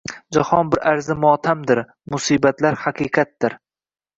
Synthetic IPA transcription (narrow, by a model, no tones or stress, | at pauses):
d͡ʒahɒnbɪɾaɾzɪmɒt̪ʰamd̪ɪɾ | mʊsiːbat̪laɾhaqʰiqʰɑt̪̚d̪ɪɾ